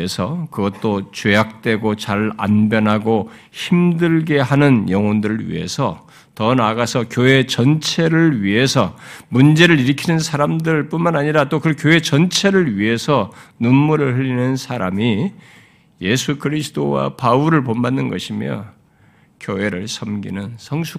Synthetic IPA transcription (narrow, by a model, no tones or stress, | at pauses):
esʰʌkɯɡʌt̚t͈ot͡ɕejak̚t͈we̞ɡot͡ɕaɾa̰nbjʌnɦaɡo | çimdɯɭɡe̞ɦanɯnjʌŋʌndɯɾɯɭɥḭɦe̞̰sʰʌ | tʌnaɡasʰʌkjoe̞t͡ɕʌnt͡ɕʰe̞ɾɯɭɥiɦe̞sʰʌmund͡ʑe̞ɾɯɾiɾɯkʰinɯnsʰaɾamdɯɭp͈unmanaɲiɾat͈okɯkjoe̞t͡ɕʌnt͡ɕʰe̞ɾɯɭɥiɦe̞sʰʌnunmuɾɯɭhɯʎːinɯnsʰaɾami | je̞sʰukɯɾisʰɯ̥dowa̰pauɾɯɭponbanːɯnɡʌɕʰimjʌ̰ | kjoɦe̞ɾɯɭsʰʌmɡḭnɯnsʰʌŋsʰu